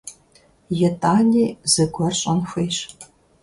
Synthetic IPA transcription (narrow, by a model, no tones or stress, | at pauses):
jɛtʰʼaːnʲiːz̥ɨɡʷɔrɕʼɐnxʷeːɕ